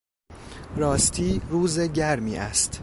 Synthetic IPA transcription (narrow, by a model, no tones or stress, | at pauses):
ɾɒːst̪ʰiːɾuːzeɟæɾmiːʔæ̰st̪